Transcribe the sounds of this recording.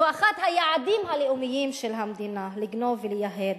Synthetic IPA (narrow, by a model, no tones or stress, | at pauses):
aχat̪hajaʕad̪imhaleumijimʃelɦamd̪inaliɡno̞velejaɦed̪